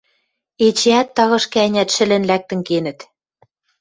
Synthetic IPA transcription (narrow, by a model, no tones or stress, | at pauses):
et͡ɕeæt̪ːɑɣɤ̆ʃkæ̆ænʲæt̪ʃɘ̆lɘ̆nlæk̚t̪ɘ̆ŋkenɘ̆t̪